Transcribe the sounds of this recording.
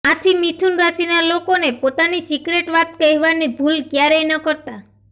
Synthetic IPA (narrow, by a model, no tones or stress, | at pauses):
at̪ʰimit̪ʰunɾasinalokonepot̪anisikɾeʈʋat̪̚keɦʋanibʱulɡjaɾejnɔkɔɾt̪a